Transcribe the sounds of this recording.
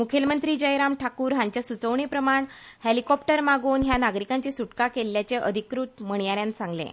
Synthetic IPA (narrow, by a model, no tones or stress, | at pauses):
mukʰjelmənt̪ɾiːd͡ʑəjɾamʈʰakuːɾɦãɲt͡ɕjasut͡səʋɳepɾəmaɳ | helikɔpʈəɾmaɡuːnɦjanaɡɾikaɲt͡ɕesuʈkakelːjat͡ɕeʔə̰d̪ʱikɾut̪məɳ̃jaɾjãnsãŋɡlḛ̃